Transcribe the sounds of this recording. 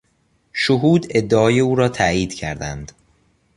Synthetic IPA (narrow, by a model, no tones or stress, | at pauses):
ʃoɦuːd̪e̞d̪ːeɒːje̞uːɾɒːt̪ʰæʔiːd̪̥cʰæ̰ɾd̪æ̰nd̪̥